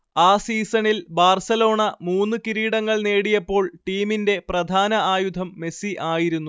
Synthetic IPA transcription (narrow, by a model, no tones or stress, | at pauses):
aːsiːsɐnilbaːrsɐlo̞ːɳɐmuːnːɨkiɾiːɽɐŋːɐɭne̞ːɽijɐpːo̞ːɭʈiːminde̞prɐd̪ʱaːnɐʔaːjud̪ʱɐmːe̞siʔaːjiɾunːu